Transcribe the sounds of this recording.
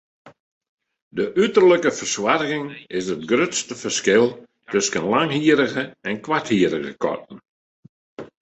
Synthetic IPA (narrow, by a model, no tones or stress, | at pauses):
dəʔytərləkəfərswarɣɪŋɪsət̚ɡrøtstəfərskɪlˠ | tøskənlaŋɦiəɾəɣəɛnkwathiəɾəɣə̰kʰɔ̰t̚n̩